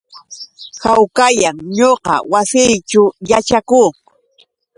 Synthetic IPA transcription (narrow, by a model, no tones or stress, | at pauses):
hawkajaŋɲoqɑ̰wasɪjt͡ʃʊjat͡ʃakuː